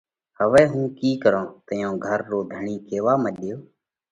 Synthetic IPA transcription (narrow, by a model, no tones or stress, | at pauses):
həʋɛːɦũːkiːkəɾõːt̪əjõːɡʱəɾːoːd̪ʱəɳiːkeːʋaːməɗɪjoː